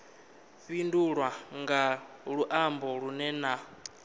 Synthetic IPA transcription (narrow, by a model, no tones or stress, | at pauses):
ɸinduɺwaŋɡaɺuʔambɔɺunɛna